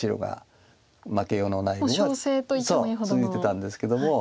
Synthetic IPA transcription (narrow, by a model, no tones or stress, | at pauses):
iɾo̰ɡa̰ | makejoːnonaiaoseːt̪oisoːsɨit̪et̪ãnd̪e̞sɨ̥ke̞d̪o̞mo